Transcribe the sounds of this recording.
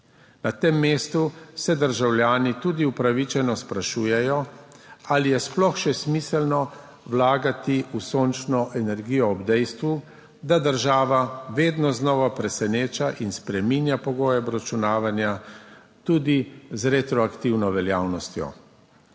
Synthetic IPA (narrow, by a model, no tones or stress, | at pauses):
nat̪emːeːst̪usɛd̪əɾʒawlʲjaːnit̪uːd̪iupɾaʋit͡ʃɛnɔspɾaʃuːjɛjɔ | alijɛsplɔxʃɛsmiːsɛlnɔ | wlaːɡat̪iusoːnt͡ʃnɔʔɛnɛɾɡiːjɔːbd̪ɛjst̪ʋu | d̪ad̪əɾʒaːʋaʋeːd̪nɔznɔːʋapɾɛsɛneːt͡ʃaʔinspɾɛminjapɔɡoːjɛbɾat͡ʃunaːʋanja | t̪uːd̪izɾet̪ɾɔakt̪iwnɔʋɛljaːwnɔst̪jɔ̰